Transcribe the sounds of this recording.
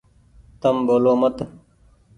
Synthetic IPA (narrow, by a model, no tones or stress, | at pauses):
t̪əmboːloːmət̪